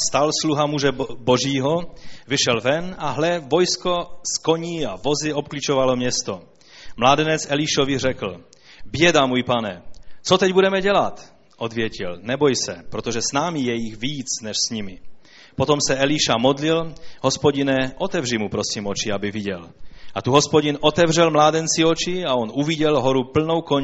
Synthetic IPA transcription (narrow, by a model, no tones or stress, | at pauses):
st̪alsluɦamuʒɛboʒiːɦovɪʃɛlvɛnaɦlɛvo̞jskosko̞ɲiːavo̞zɪo̞p̚klit͡ʃovalomɲɛst̪o | mlaːdɛnɛt͡sʔɛliʃovɪr̝ɛkl̩ | bjɛdamuːjpanɛt͡sot̪ɛɟbudɛmɛɟɛlat̪ | ʔo̞d̪vjɛcɪlnɛbojsɛ̰pɾot̪oʒɛsnaːmijɛjixviːt͡snɛʃsɲimɪ | pot̪omsɛɛliʃamod̪lilɦo̞spoɟinɛʔot̪ɛvrimupɾo̞simot͡ʃiabɪviɟɛ̰lat̪uɦospoɟinʔo̞t̪ɛvrɛlmlaːdɛnt͡siot͡ʃiaonuviɟɛlɦoɾupl̩nowkoɲ